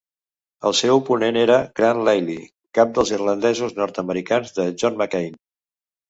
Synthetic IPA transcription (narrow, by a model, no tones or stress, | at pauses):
əlˠsɛwupuneneɾəɡɾanlejli | kap̚d̪əlˠzirlənd̪ɛzuznɔɾt̪əməɾikanzðəʒɔnməkejn